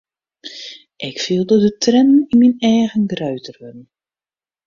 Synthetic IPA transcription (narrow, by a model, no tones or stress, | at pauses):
ʔɪkfiəlˠdədətrɛnəninminɛːɣənɡrœɥtʰərʋənn